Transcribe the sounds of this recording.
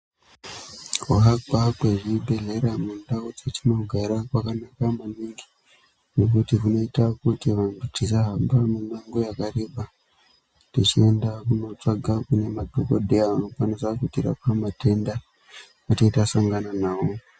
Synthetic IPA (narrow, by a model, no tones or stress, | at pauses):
koɦakakweʐibʱe̞ɮe̞ɾamundaud͡zet͡ʃino̞ɡʱaɾakwakanakamuniŋɡi̥ | nek̬utikuno̞itakutiʋandutisaɦambamenaŋɡojakare̞ɓa | tit͡ʃiendakuno̞t͡saɡʱakune̞madʱokodʱeaʋano̞kwanisakutiɾa̰pamate̞nda | atetasaŋɡananaːo